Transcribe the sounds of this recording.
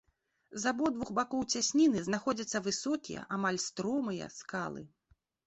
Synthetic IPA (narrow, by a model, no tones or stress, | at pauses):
zabɔd̪vuxbakɔwt͡sʲasʲnʲinɨznaxɔd͡zʲɐt̪sːɐvɨsɔkʲḭjɛ̰ʔamalʲst̪ɾɔmɨjɐ̰skalˠɨ̰